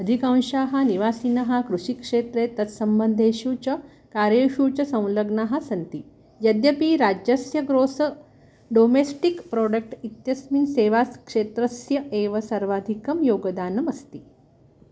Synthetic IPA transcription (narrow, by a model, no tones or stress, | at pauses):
əd̪ʱikãw̃ɕaɦaniʋaːsiːnɐɦakɾuʂikʂet̪ɾet̪ɐt̪səmbənd̪ʱeɕuːt͡ɕɐ | kaɾjeɕuːt͡ɕɐsɐ̃w̃ləɡnaɦasɐnt̪iː | jɐd̪jɐpiɾad͡ʑjəsjɐɡɾosə | ɖomesʈikpɾoɖək̚ʈit̪jɐsminseːʋaskʂet̪ɾəsjɐeʋɐsɐɾʋaːd̪ʱikɐmjoːɡd̪aːnɐmɐst̪iː